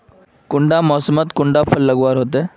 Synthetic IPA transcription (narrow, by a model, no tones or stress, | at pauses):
kuɳɖamɔsəmət̪kuɳɖafʰəlːəɡʋaɾɦot̪e